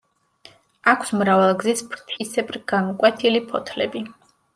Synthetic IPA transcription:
akʰsmɾavalˠɡzispʰɾt̪ʰisɛpʼɾɡ̥amɔkʼwɛt̪ʰilipʰɔt̪ʰlɛbi

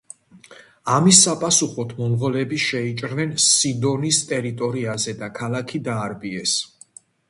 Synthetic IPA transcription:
amisːapʼasuχɔt̪ʰmɔnʁɔlɛbiʃɛit͡ʃʼɾnɛnsid̪ɔnist̪ʼɛɾit̪ʼɔɾiazɛd̪akʰalakʰid̪aːɾbiɛs

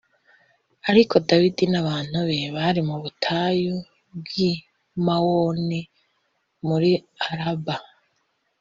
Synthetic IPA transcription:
aɾiko̞dawidinaβaːn̥huβeβaɾimuβutʰaju | b̚ɡi | mawoni | muɾiaɾaba

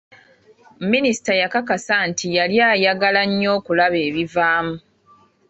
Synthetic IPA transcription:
minisi̥tajakakasantʰijaljaːjaɡalaɲːo̞ːkulaβe̞ːβivaːmu

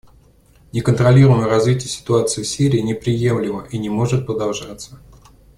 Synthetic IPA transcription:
nʲɪkənt̪ɾɐlʲiɾʊjməjəɾɐzvʲitʲɪjəsʲɪ̥t̪ʊat̪sɨɪfsʲiɾʲɪːnʲɪpɾʲɪje̞mlʲɪməʔinʲɪmo̞ʐɨt̪̚pɾəd̪ɐlˠʐat̪sːə

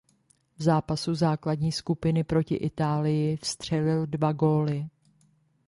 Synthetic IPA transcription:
vzaːpasuzaːkladɲiːskupɪnɪpɾo̞cɪ̰ʔɪt̪aːlɪjɪfst̪r̝̥ɛlɪldvaɡo̞ːlɪ

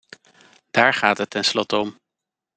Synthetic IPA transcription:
d̥aːɹχaːtɦətːɛnslɔtəɔm

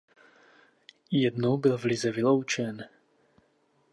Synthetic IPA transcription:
jɛdnowbɪlvlɪzɛvɪlo̞wt͡ʃɛn

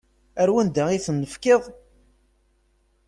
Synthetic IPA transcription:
æɾwənd̪æiθənːəfkɪðˤ

